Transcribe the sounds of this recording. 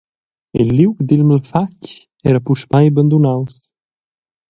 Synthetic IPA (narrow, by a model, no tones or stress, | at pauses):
ilːiwkd̪ilməlfac | ɛɾapuʃpajbənd̪unaws